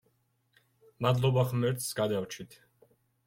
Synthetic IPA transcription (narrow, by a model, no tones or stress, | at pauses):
mad̪lˠɔbaχmɛɾt̪sɡad̪awt͡ʃʰit̪ʰ